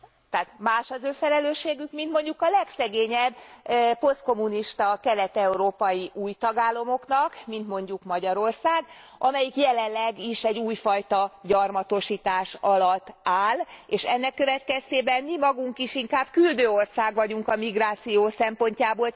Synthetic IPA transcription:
t̪ɛːt̪maːʃɒzøːfɛlɛløːʃeːɡykmint̪mo̞ɲɟukɒlɛksɛɡeːɲɛbːpo̞st̪̚ko̞mːuniʃt̪ɒkɛlɛt̪ɛuɾoːpɒjiʔuːjt̪ɒɡaːlːɒmo̞knɒkmint̪mo̞ɲɟukmɒɟɒɾo̞rsaːɡ | ʔɒmɛjikjɛlɛnlɛɡiʃɛɟːuːjfɒjt̪ɒɟɒrmɒt̪o̞ʃiːt̪aːʃɒlɒt̪ːaːleːʃɛnːɛkːø̞vɛt̪kɛst̪eːbɛnmimɒɡuŋkiʃiŋkaːb̥kyld̪øːo̞rsaːɡʋɒɟuŋkɒmiɡraːt̪sijoːsɛmpo̞ɲcaːboːl

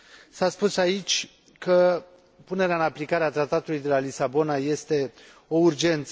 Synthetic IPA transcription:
saspusait͡ʃʲ | kə | pune̞ɾeaɨnaplikaɾeat̪ɾat̪at̪ulujd̪elalisabo̞naje̞st̪e̞ | o̞urd͡ʒe̞nt̪sə

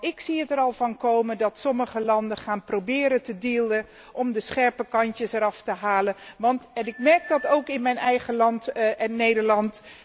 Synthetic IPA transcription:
ɪksiətəɾɑlˠvɑnkowməndɑtsɔməχəlɑndəχaːnprowbɪːɾəntədiːlˠə | ʔɔmdəsχɛɹpəkɑntəsɛɾɑftəɦaːləʋɑntɛnɪkmɛɹk̚dɑtowkɪnmɛjnɛjχəlɑntɛnːejdəɹlɑnt

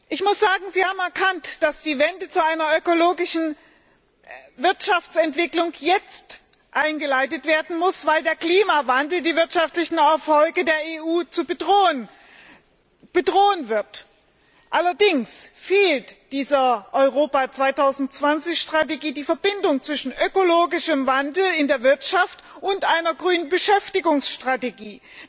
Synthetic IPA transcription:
ʔɪçmʊsz̥aːɡŋ̩ziːhaːbm̩ɛɐkʰantd̥asd̥iːvɛndət͡suaɪnɐʔøkoloːɡɪʃn̩ | vɪɐtʃaft͡sɛntv̥ɪklʊŋjɛt͡st | ʔaɪnɡəlaɪtətv̥eːɐdn̩mʊsv̥aɪldeːɐkl̥iːmavandl̩diːvɪɐtʃaftlɪçn̩ɛɐfɔlɡədeːɐeːʔuːt͡subədʁoːən | b̥ədʁoːənvɪɐt | ʔalɐdɪŋsfeːltd̥iːzɐʔɔʏʁoːpat͡sv̥aɪtʰaʊzn̩tt͡sv̥ant͡sɪçʃtʁ̥ateɡiːdiːfɛɐbɪndʊŋt͡sv̥ɪʃn̩ʔøkoloːɡɪʃəmvandl̩ɪndeːɐvɪɐtʃaft | ʔʊntʔaɪnɐɡʁyːnənbəʃɛftɪɡʊŋsʃtʁ̥ateɡiː

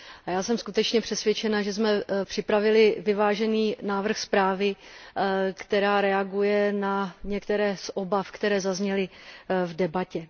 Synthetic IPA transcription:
ajaːsɛmskut̪ɛt͡ʃɲɛpr̝̥ɛsvʲjɛt͡ʃɛnaʒɛzmɛpr̝̥ɪpɾavɪlɪvɪvaːʒɛniːnaːvr̩xspɾaːvɪ | kt̪ɛɾaːɾɛaɡujɛnaɲɛkt̪ɛɾɛːsʔobafkt̪ɛɾɛːzazɲɛlɪvdɛbacɛ

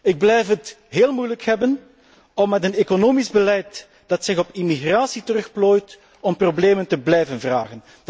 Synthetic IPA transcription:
ɪɡ̚blɛjfɦət | ɦeːlˠmujləkhɛbən | ɔmːɛtənekonoːmizbəlɛjt | d̥ɑtsɪɣɔpimiɣraːsitəɾɵxploːjt | ɔmprobleːməntəblɛjvənvra̰ːɣən

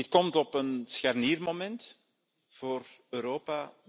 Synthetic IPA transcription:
ɪt̚kɔmtɔpənsxarniːrmomɛnt | v̥oːrøːɾoːpaː

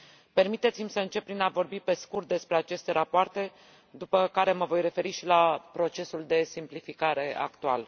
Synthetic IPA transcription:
pe̞rmit̪et̪simʲsəɨnt͡ʃe̞pːɾinavo̞rbipe̞skurt̪̚d̪e̞spɾe̞at͡ʃe̞st̪e̞ɾapoart̪e̞ | d̪upəkaɾe̞məvo̞jre̞fe̞ɾiʃilapɾo̞t͡ʃe̞suld̪e̞simplifikaɾe̞a̰kt̪ual

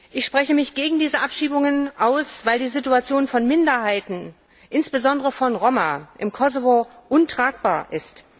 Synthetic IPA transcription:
ʔɪçʃpʁ̥ɛçəmɪçɡ̥eːɡŋ̩diːzəʔapʃiːbʊŋənʔaʊsv̥aɪldiːzituat͡sjoːnfɔnmɪndɐɦaɪtn̩ | ʔɪnsb̥əzɔndəʁəfɔnʁomaʔɪmkʰɔzovoʔʊntʁ̥aːk̚b̥aːɐʔɪst

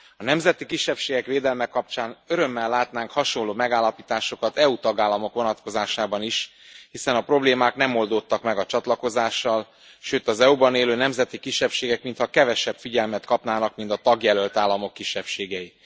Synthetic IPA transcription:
ɒnɛmzɛt̪ikiʃːɛpʃeːɡɛkʋeːd̪ɛlmɛkɒp̚t͡ʃaːnøɾø̞mːɛlːaːt̪naːŋkhɒʃo̞nlːoːmɛɡaːlːɒpiːt̪aːʃo̞kɒt̪ɛut̪ɒɡaːlːɒmo̞kʋo̞nɒt̪ko̞zaːʃaːbɒniʃ | hisɛnɒpro̞bleːmaːknɛmo̞ld̪ot̪ːɒkmɛɡɒt͡ʃɒt̪lɒko̞zaːʃːɒl | ʃøːt̪ɒzɛubɒneːløːnɛmzɛt̪ikiʃːɛpʃeːɡɛkmint̪hɒkɛvɛʃɛpfiɟɛlmɛt̪kɒpnaːnɒkmint̪ɒt̪ɒɡjɛlølt̪aːlːɒmo̞kːiʃːɛpʃeːɡɛji

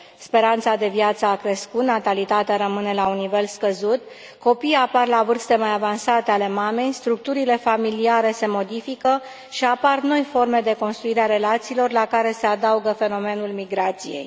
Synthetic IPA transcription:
spe̞ɾant̪sad̪e̞vjat̪səakɾe̞skut̪nat̪alit̪at̪eaɾəmɨne̞launːive̞lskəzut̪̚ | ko̞pijaparlavɨrst̪e̞majavansat̪eale̞mame̞jst̪ɾuk̚t̪uɾile̞familiaɾe̞se̞mo̞d̪ifikə | ʃiaparno̞jfo̞rme̞d̪e̞ko̞nst̪ɾuiɾeaɾe̞lat̪siːlo̞rlakaɾe̞se̞ad̪auɡəfe̞no̞me̞nulmiɡɾat̪sije̞̰j

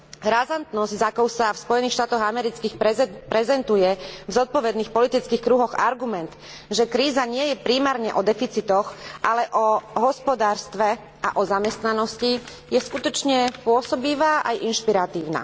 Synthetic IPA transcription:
ɾazant̪nɔzɟzakɔʊsafspɔjɛniːxʃt̪aːt̪ɔɣamɛɾit͡skiːxɛpɾɛzɛnt̪ujɛvzɔt̪̚pɔʋɛd̪niːxpɔlit̪it͡skiːxkɾuɦɔɣaɾɡumɛnt̪ | ʒɛkɾiːzaɲɪɛjɛpɾiːmaːɾɲɛʔɔd̪ɛfit͡sit̪ɔxʔalɛʔɔɦɔspɔd̪aːɾst̪ʋɛ | a̰ʔɔzamɛst̪nanɔsci | jɛskut̪ɔt͡ʃɲɛpʊɔsɔbiʋaːʔajʔinʃpiɾat̪iːʊna̰

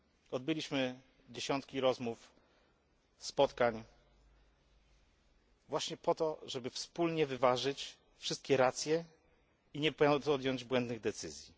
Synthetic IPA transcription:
ɔd̪̚bɘlʲiɕmɘ | d͡ʑeɕɔnt̪kʲiɾɔzmuf | spɔt̪kaɲ | vwaɕɲɛpɔt̪ɔʐɛbɘfspulɲɛvɘvaʐɘt͡ɕ | fʂɘst̪̚kʲɛɾat̪sʲjɛ | iɲɛpt̪ɔd̪ʲjɔɲd͡ʑbwɛnd̪nɘɣd̪ɛt̪sɘzʲji

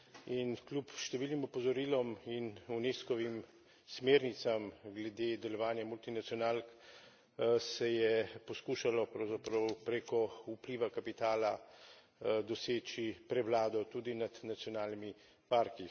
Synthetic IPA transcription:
inklʲjupʃt̪ɛʋiːlnimɔpɔzɔɾiːlɔminuneːskɔʋim | smeːɾnit̪samɡlɛd̪eːd̪ɛlɔʋaːnjamult̪inat̪sjɔnaːlk | sɛjɛpɔskuːʃalɔpɾɐwzapɾɐwpɾeːkɔupliːʋakapit̪aːla | d̪ɔseːt͡ʃipɾɛwlaːd̪ɔt̪ud̪inad̪nat̪sjɔnaːlnimi | paːɾki

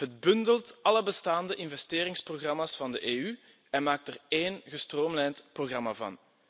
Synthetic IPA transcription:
ɦətbɵndəltɑləbəstaːndəʔɪnvɛsteːɾɪŋsproɣrɑmaːsfɑndəʔeːy | ɛnmaːk̚təreːnɣəstroːmlɛjntproɣrɑma̰ːvɑ̰n

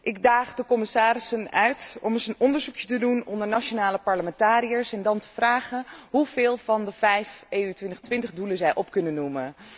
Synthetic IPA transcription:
ʔɪɡ̚daːχdəkɔmɪsaːɾɪsənœ̰ɥtɔməsənʔɔndəɹzukjətədunɔndəɹnat͡ʃonaːləpɑɹləmɛntaːɾijəɹsɛndɑntə̥vraːχənɦuvɪːlˠvɑndəvɛjfeːytʋɪntχtʋɪntəχduləzɛjʔɔpkɵnənːumən

